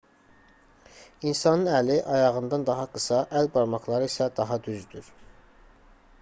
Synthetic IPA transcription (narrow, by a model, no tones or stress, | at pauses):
insɑnɯnæliʔɑjɑʁɯnd̪ɑnd̪ɑɦɑɡɯsɑʔælbɑɾmɑχlˠɑɾɯisæd̪ɑɦɑd̪yzd̪yɾ